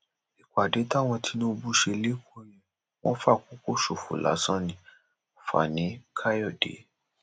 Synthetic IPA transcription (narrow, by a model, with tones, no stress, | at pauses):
i˨kʷa˨de˨˦ta˦w̃ɔ̃˧tʰi˨˦nũ˦˧bu˧˦ʃe˧le˦ko˦jɛ̃˨ | w̃ɔ̃˦fa˦˨ko˨˦ko˦ʃo˨fṵ˨la̰˨˦sã˦nĩ˧ | o˨fa̰˨nĩ˨˦kʰa˦jɔ˦˨dḛ˨˦